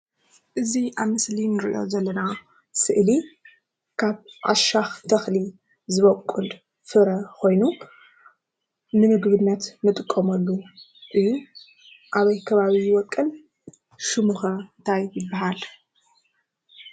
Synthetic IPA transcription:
ʔɨziʔaβmɨslinɨɾḭʔo̞̰zɐlːɐna | sɨʔli | kʰaβʕa̰ʃaxt̪ʰɐxli | zɨβɐkʷʼul | fɨɾɐkʰo̞jnu | nɨmɨɡβɨnːɐt̪mɨt̪ʼɨkʼːɐmɐlːu | ʔɨjːu | ʔaβɐjkʰɐβaβiwɔkʼːɨn | ʃɨmuxɐɨnt̪ʰajːɪbːaɦal

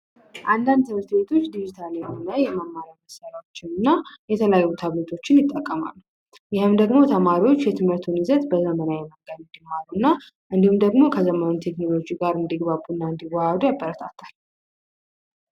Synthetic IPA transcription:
ʔand̪and̪sɨɾt̪be̞t̪ʰo̞t͡ʃːd̪id͡ʒit̪ʰalehonəjɛməmːaɾaməsəɾawot͡ʃːɪnɨnːajɛt̪ʰələjajːut̪ʰaβlet̪ʰo̞t͡ʃːɪnjɪt̪ʼːəkʼːəma̰l | jɪhɨmd̪əɡmo̞t̪ʰəmaɾiwot͡ʃːjɛt̪ʰɨmhɨɾt̪ʰunizət̪bəzəmənajɛməɡənɨnd̪imːaluɨnːa | ʔɨnd̪ihumd̪əɡmo̞kʰəzəməont̪ʰeknolo̞d͡ʒiɡaɾɨnd̪iɡbabunːaɨnd̪iwahad̪ujabːəɾət̪ʰat̪ʰal

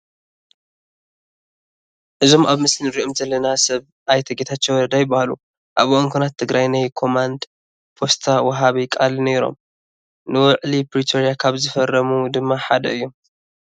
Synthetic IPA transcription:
ʔɨzo̞maβmɨslinɨɾiʔomzɐlːɐnasɐβ | ʔajt̪ʰɐɡet̪ʰat͡ʃːewɔɾɐd̪ajɪbahalṵ | ʔaβoʔɨŋkʷʰunat̪ʰːɨɡɾajnajkʰo̞mand̪ | pʰo̞st̪ʰawɐɦaβikʼalneɾo̞̰m | nɨwɔʕlipɾit̪ʰoɾijakʰaβzɨfɐrːɐmud̪ɨmːaħad̪ɐɨjːo̞m

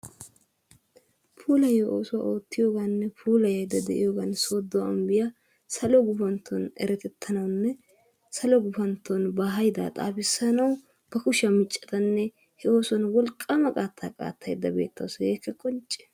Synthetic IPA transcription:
pʰuːlɐjɐʔo̞ːsʊwa̰ʔo̞ːt̪ːɪjo̞ːɡanːɛpʰuːlɐjɐjd̪ɐd̪ɛʔɪ̰joːɡanso̞ːd̪ːɔwɐmbɪja | sɐlɔɡʊfɐnt̪ʰːɔnʔɛ̰ɾɛt̪ɛt̪ʰːɐnɐwnːɛ | sɐlɔɡʊfɐnt̪ʰːɔnbaɦɐjd̪a̰ːt̪ʼa̰ːpɪsːɐnɐw | b̥ɐkʊʃɐmɪt͡ʃʼːɛ̥t̪ɐnːɛ | hɛo̞ːsɔnwɔlkʼːamɐkʼaːt̪ʰːa̰ːkʼa̰ːt̪ʰːɐjd̪ːɐbḛːt̪ːɐ̰wsjeːkːɛkʼɔnt͡ʃʼːɛ̥

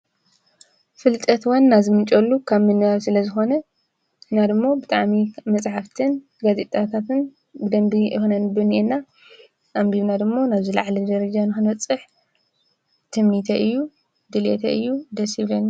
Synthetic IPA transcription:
fɨlt̪ʼɐt̪wɐnːazimɨnt͡ʃʼolːukʰaβmɨnɨβaβsɨlɐzɨxo̞nɐ | nad̪ɨmːo̞bɨt̪ʼaʕmimɐt͡sʼħaft̪ʰɨn | ɡazet̪ʼat̪ʰat̪ɨn | bɨd̪ɐmbixonɐnɨbɨniʔenːa | ʔambiβnad̪ɨmːo̞naβzila̰ʕlid̪ɐɾɐd͡ʒanɨxɨnwɐt͡sʼɨħ | t̪ʰɨmnit̪ʰɐʔɨjːu | d̪ɨlḛt̪ʰɐʔɨjːud̪ɐshiβɐnːa

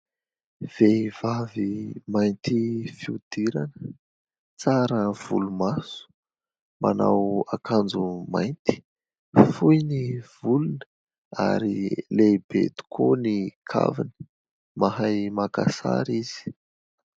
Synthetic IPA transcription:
v̥evavimajnt̪ifiud̪̥iɾanə | t͡saɾəv̥ṵlumasu̥ | mana̰wakand͡zumajnt̪i̥ | fujniv̥ulunə | a̰ɾilebḛt̪u̥kʰonikʰa̰vinə̥ | maɦajmaka̰sa̰ɾiz̥i̥

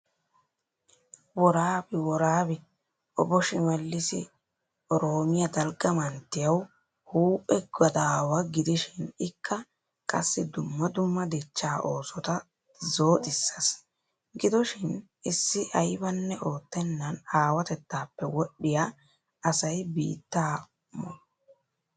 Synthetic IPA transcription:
wɔɾaːbɪwɔɾaːbɪ | ɔbɔʃɪmɛlːɪsɪ̰ | ɔɾoːmɪjɐd̪ɐlɡɐmɐnt̪ːɪjɐw | huːʔɛɡɐd̪aːwɐɡɪd̪ɪʃɪnɪkʰːɐ | kʼɐsːɪd̪ʊmːɐd̪ʊmːɐd̪ɛt͡ʃːaːʔo̞ːsɔt̪ɐ | zo̞ːt̪ʼɪsːɐs | ɡɪd̪ɔʃɪn | ɪsːɪʔɐjbɐnːɛʔo̞ːt̪ːɛnːɐnaːwɐt̪ɛt̪ːaːpːɛwɔɗːɪja | ɐsɐjbḭːt̪ːaː | mɔ

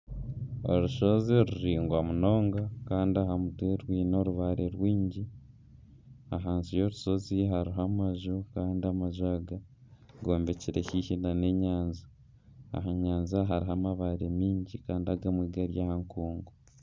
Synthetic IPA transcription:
o̰ɾuʃo̞zeɾuɾiːŋɡwamuno̞ːŋɡakaːndiaɦamutweɾwiːno̞ɾuβaɾeɾwiːɲɟi | aɦaːnzijo̞ɾuso̞ziɦaɾiɦamaʒukaːndiamaʒwaːɡa | ɡo̞ːmbe̞ciɾehihinane̞ɲaːnzi | a̰ɦaɲaːnziaɦaɾiɦamaβaɾemiːɲɟikaːndiaɡamwiːɡaɾjaːhaŋkuːŋɡo

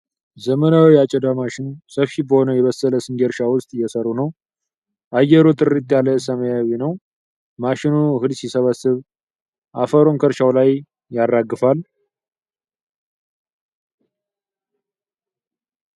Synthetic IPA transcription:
zəmənawiat͡ʃʼːɛd̪amaʃɪnsəfʃibəho̞nəwjɛβəsːələsɨnɡeɾʃawʊst̪ʼɨjːɛsərːunəw | ʔajːɛɾot̪ʼɨrit̪ʼjaləsəməjawinəw | maʃɪnuhɨd̪sisəβəsːɨβ | ʔafəɾoŋkʰəɾʃawlaj | jarːaɡːɨfal

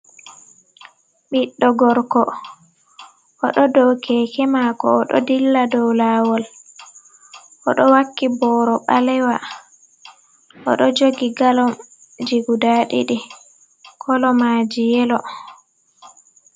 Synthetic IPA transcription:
ɓiɗːɔɡɔɾkɔ | ʔɔɗɔdɔwkʰɛkɛmakɔːɗɔ̰dilːadɔwlawɔl | ʔɔɗɔwakːibɔɾɔɓalɛwa | ʔɔ̰ɗɔd͡ʒoɡiɡalɔm | d͡ʒiɡudaɗḭɗi | kʰɔlɔmaːd͡ʒijɛlɔ

